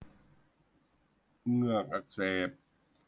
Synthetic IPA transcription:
ŋɯ˧˩ək̚ʔa˧˩k̚sɛː˧˩p̚

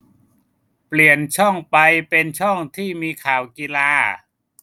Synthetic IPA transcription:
pli˨˩ənt͡ɕʰɔ˥˩ŋpa˧jpe˧nt͡ɕʰɔ˥˩ŋt̪ʰiː˥˩miː˧kʰaː˨˩˦wki˧laː˧

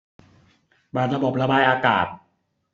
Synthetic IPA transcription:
baː˨˩t̪̚ɾa˧bo˨˩p̚ɾa˧baː˧jʔaː˧ka̰ː˨˩t̪̚

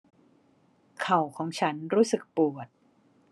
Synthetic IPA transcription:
kʰa˨˩wkʰɔː˩˦ŋt͡ɕʰa˦˥nɾuː˦˥sɯ˨˩k̚pu˨˩ət̪̚

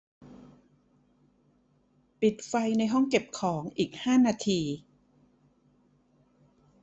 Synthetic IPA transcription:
pi˨˩t̪̚fa˧jna˧jɦɔ˥˩ŋke˨˩p̚kʰɔː˩˦ŋʔiː˨˩k̚haː˥˩naː˧t̪ʰiː˧

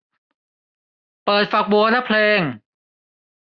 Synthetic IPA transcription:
pɤː˨˩t̪̚fa˨˩k̚bu˧na˦˥pʰleː˧ŋ

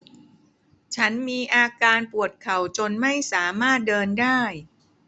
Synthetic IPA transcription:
t͡ɕʰa˦˥nmiː˧ʔaː˧kaː˧npu˨˩ət̪̚kʰa˨˩wt͡ɕo˧nma˥˩jsaː˩˦maː˥˩t̪̚dɤː˧ndaː˥˩j

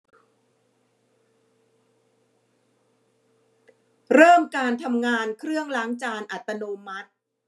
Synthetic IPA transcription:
ɾɤː˥˩mkaː˧nt̪ʰa˧mŋaː˧nkʰɾɯ˥˩əŋlaː˩˦ŋt͡ɕaː˧nʔa˨˩t̪ːa˧noː˧ma˦˥t̪̚

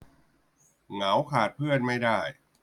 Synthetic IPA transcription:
ŋa˩˦wkʰaː˨˩t̪̚pʰɯ˥˩ənma˥˩jdaː˥˩j

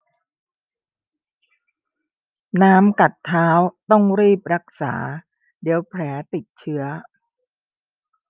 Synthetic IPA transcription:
naː˦˥mka˨˩t̪ʰːaː˦˥wt̪ɔ˥˩ŋɾiː˥˩p̚ɾa˦˥k̚sa̰ː˩˦ | di˩˦əwpʰɾɛː˩˦t̪i˨˩t̪̚t͡ɕʰɯ˦˥ɐ

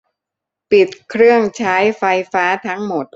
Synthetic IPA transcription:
pi˨˩t̪̚kʰɾɯ˥˩əŋt͡ɕʰaː˦˥jfa˧jfaː˦˥t̪ʰa˦˥ŋmo˨˩t̪̚

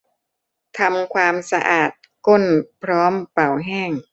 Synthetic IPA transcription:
t̪ʰa˧mkʰwaː˧msa˧ʔaː˨˩t̪̚ko˥˩npʰɾɔː˦˥mpa˨˩wɦɛː˥˩ŋ

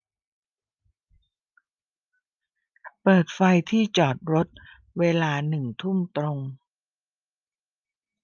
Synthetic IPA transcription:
pɤː˨˩t̪̚fa˧jt̪ʰiː˥˩t͡ɕɔː˨˩t̪̚ɾo˦˥t̪̚ | weː˧laː˧nɯ˨˩ŋt̪ʰu˥˩mt̪ɾo˧ŋ

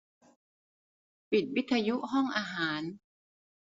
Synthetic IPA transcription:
pi˨˩t̪̚wi˦˥t̪ʰːaː˧ju˦˥ʔɦɔ˥˩ŋʔaː˧ɦaː˩˦n

